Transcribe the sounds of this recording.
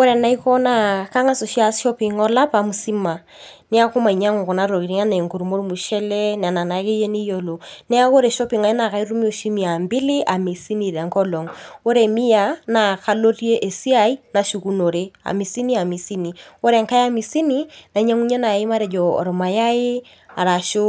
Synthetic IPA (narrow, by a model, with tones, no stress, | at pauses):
o˦ɾɛ˨na˦i˦kɔ˦na˦ka˦ŋa˦so˨ʃi˦a˦sʃɔ˦pi˨ŋɔ˦la˦pa˨mu˨si˦ma˨ | nɪ˦a˦ko˦ma˨i˨ɲa˦ŋu˨kɔ˨na˦ɾo˨ki˨ɾi˦ŋa˦ne˨ŋku˨ɾu˨mo˦ɾu˦mu˨ʃɛ˦lɛ˦n˨a˨na˨na˨˦ke˦je˦ni˦jo˦lo˨nɛ˦a˦ko˦ɾe˨ʃɔ˦pi˨ŋa˨ɪ˦na˨ka˨˦i˦ɾu˦mi˦o˨ʃi˦mi˨a˨mbɪ˦lɪ˦ʔa˨mi˨si˦ni˨ɾɛ˨ŋkɔ˦lɔ˨ŋo˦ɾe˨mi˦ja˨˦na˨ka˦lo˦ri˦e˦ʔe˨si˦a˦i˦na˨ʃu˨ku˦no˨ɾe˦a̰˨mi˨si˦ni˦a˨mi˨si˦ni˨o˦ɾɛ˨ŋka˦ja˦mi˨si˦ni˦na˨i˦ɲa˦ŋu˦ɲa˦na˨i˦ma˦ɾɛ˨d͡ʒɔ˨ɔ̰˨ɾɔ˨ma˨ja˦ɪ˦ | a˨ɾa˨ʃo˦